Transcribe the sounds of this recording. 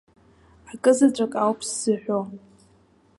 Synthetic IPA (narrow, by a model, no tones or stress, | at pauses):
akʼɨzat͡ɕʷʼakʼawpʰʼsz̥ɨħʷᶣo